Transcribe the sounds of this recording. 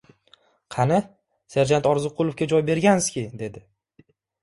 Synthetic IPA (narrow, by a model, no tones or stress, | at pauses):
qʰɑnɪ | seɾd͡ʒant̪ɒɾzɨqʰːʊlˠʊfkʲad͡ʒɒjbe̞ɾɡʲanɪzkʲɪd̪e̞d̪ɪ